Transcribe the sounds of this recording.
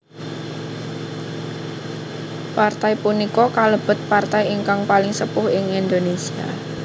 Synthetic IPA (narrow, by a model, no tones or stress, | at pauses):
part̪aipunikɔkaləb̥ʊ̤t̪̚part̪ajiŋkaŋpalɪŋsəpʊhɪŋind̪onesia̰